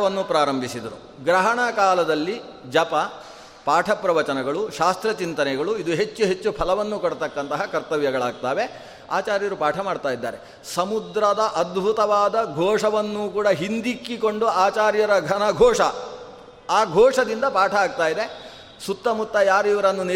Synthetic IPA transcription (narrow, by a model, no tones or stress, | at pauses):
ʋɐnːupɾaːɾɐmbʱisid̪ɐɾṵ | ɡɾɐɦɐɳɐkaːlɐd̪ɐlːi | d͡ʒɐpɐ | paːʈʰɐpɾɐʋɐt͡ʃɐnɐɡɐɭuʃaːst̪ɾɐt͡ʃint̪ɐnɛɡɐɭuid̪uɦe̞t͡ʃːuɦe̞t͡ʃːupʰɐlɐʋɐnːukoɽt̪ɐkːɐnt̪ɐɦɐkɐɾt̪ɐʋjɐɡɐɭaːɡ̚t̪aːʋe̞ | aːt͡ʃaːɾjɐɾupaːʈʰɐmaːɖt̪aːjid̪ːa̰ːɾe̞ | sɐmud̪ɾɐd̪ɐʔɐd̪bʱut̪ɐʋaːd̪ɐɡʱɔːʂɐʋɐnːuːkuːɽɐɦind̪ikːiko̞ɳɖuaːt͡ʃaːɾjɐɾɐɡʱɐnɐɡʱɔːʂɐ | aːɡʱɔːʂɐd̪ind̪ɐpaːʈʰɐːɡ̚t̪aːjid̪e̞ | sut̪ːɐmut̪ːɐjaːɾiʋɐɾɐnːune